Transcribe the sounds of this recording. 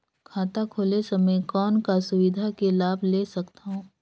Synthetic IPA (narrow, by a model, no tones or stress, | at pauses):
kʰaːt̪akʰoːlesɐməejkɔːnkasʊʋɪd̪ʱakelaːbʱleːsɐkt̪aɦõː